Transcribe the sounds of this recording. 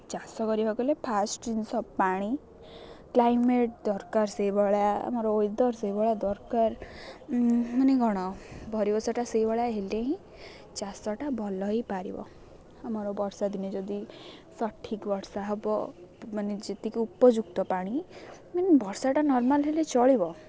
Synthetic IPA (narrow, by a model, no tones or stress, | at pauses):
t͡ʃasɔkɔɾibʱakɔlepʰasʈinsɔpaɽ̃i | klajmeʈ̚d̪ɔɾkaɾsejbɔɭjaa̰mɔɾɔojd̪ɔɾsejbɔɭjad̪ɔɾkaɾ | maneɡɔɽ̃ɔbʱɔɾibɔsɔʈasejbɔɭjaɦeleɦĩ | t͡ʃasɔʈabʱɔlɔɦipaɾḭbɔ̰ | amɔɾɔbɔɾsad̪ined͡ʒɔd̪isɔʈʰːikbɔɽɾsaɦɔbɔmanid͡ʒet̪ikiupɔd͡ʒuk̚t̪ɔpaɽ̃i | manebʱɔɾsaʈanɔɾmalɦelet͡ʃɔɭibɔ